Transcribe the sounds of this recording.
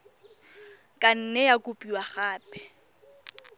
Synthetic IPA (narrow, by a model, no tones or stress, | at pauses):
kʼan̩nɛjakʼʊpʼiwaχaːpʼɛ̥